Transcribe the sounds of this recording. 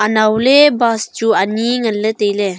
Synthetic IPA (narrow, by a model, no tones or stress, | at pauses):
ʔanawlebasd͡ʒuaniŋələt̪ejle